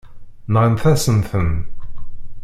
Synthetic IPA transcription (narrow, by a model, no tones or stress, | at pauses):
nʁənθæsənθən